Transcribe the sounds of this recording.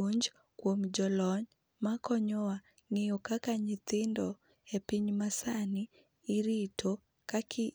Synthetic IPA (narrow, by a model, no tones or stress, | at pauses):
uɲd͡ʒ | kwomd͡ʒɔlɔɲ | makɔɲɔwa | ŋɪjɔkakaɲɪt̪ɪndɔ | epiɲmasaniː | ɾitʰo | kakʰi